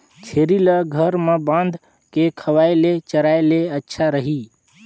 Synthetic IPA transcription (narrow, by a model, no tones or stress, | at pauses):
t͡ʃʰeɾiləɡʱəɾmebãnd̪ʱ | kekʰəʋajlet͡ʃəɾajleətːʃʰaɾəɦi